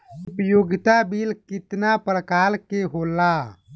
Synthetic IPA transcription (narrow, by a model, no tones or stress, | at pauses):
upjoɡt̪abilkɪt̪napɾəkaːlkeɦola